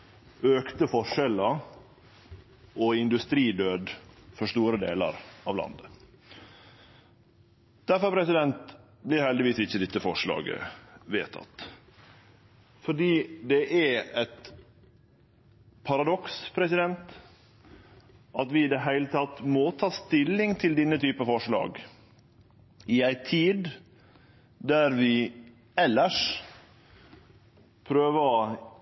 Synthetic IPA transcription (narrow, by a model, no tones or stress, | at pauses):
øːkt̪əfɔʂɛlə | ɔɪnd̪ʉst̪ɾiːd̪øːd̪fɔʂt̪uːɾəd̪ḛːlə̰ɾɑːʋlɑ̰nd̪ə | d̪̥æɾfɔɾpʰɾɛsɪd̪ɛnt̪ | blɪɾhɛld̪ɪʋiːsɪçːəd̪ɪt̪ːəfɔʂɭɑ̰ːɡə̰ʋḛːt̪ʰɑ̰t̪ | fɔɖiːd̪ɛʔææt̪ | pʰɑɾɑd̪ɔkspʰɾɛsɪd̪ɛnt̪ | ʔɑt̪ʋɪɪd̪ɛɦæɪlət̪ʰɑt̪mɔt̪ʰɑːst̪ɪlːɪŋt̪ʰɪld̪ɪnːət̪ʰyːpəɑfɔʂɭɑ̰ːɡ | ɪæɪt̪ʰiːd̪ | d̪æɾʋɪ | ɛlːəʂ | pʰɾøːʋə